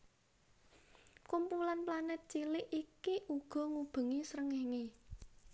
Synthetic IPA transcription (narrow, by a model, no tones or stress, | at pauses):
kumpulanplanɛt̪̚t͡ʃilɪʔikiʔuɡ̥ɔ̤ŋub̥ə̤ŋisɾəŋɛhŋe